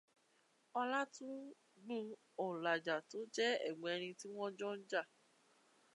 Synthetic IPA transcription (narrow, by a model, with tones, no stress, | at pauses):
ɔ˧la˦tũ˦ | ɡ͡bũ˦ | ɔ˨la˨d͡ʒa˨to˨˦d͡ʒɛ˦ɛ̰˦˨ɡ͡bɔ̃˨ɛ˧ɾ̃ĩ˧ti˦w̃ɔ̃˦d͡ʒɔ̃˦n̩˦d͡ʒa˦˨